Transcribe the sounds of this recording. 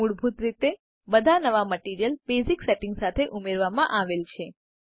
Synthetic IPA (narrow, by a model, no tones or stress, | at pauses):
uɽbʱut̪ɾit̪e | bəd̪ʱanəʋaməʈiɾijəlbezikseʈĩŋɡsat̪ʰeʔumeɾʋamãʔaʋelt͡ʃʰe